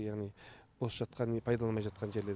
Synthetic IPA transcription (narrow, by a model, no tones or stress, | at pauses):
jaʁnijbosə̥ʒ̥ɑt̪̚qʰɑnpʰɑjd̪ɑlˠɑmɑjʒɑt̪̚qʰɑnʒe̞ɾle̞